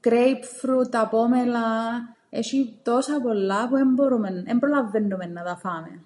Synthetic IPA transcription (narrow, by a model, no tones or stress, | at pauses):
kɾejpfɾut̪apomela | ḛʃit̪osapolːapuɛmboɾumenɛmbolavːɪnːumenːaðafaːmḛ